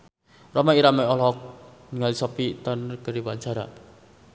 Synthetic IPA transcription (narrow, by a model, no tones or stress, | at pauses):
rɔmaiɾamɛɔlɔk̚niŋalisɔpit̪ankəɾiwaɲt͡ʃaɾa